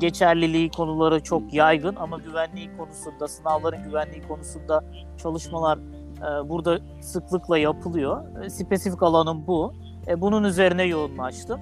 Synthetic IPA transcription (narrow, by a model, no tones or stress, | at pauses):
ɟe̞t͡ʃʰæɾlʲilʲiːkʰo̞nulˠaɾɯt͡ʃʰo̞kjajɡɯnamaɟyvænlʲiːkʰo̞nusund̪asɯnavlˠaɾɯnɟyvænlʲiːkʰo̞nusund̪a | t͡ʃʰalˠɯʃmalˠaɾ | ɯːbuɾd̪a | sɯklˠɯklˠajapʰɯlˠɯjo̞ | sipʰesifi̥kalˠanɯnbu | ɛbununyze̞ɾinɛjo̞unlˠat͡ʃt̪ʰɯm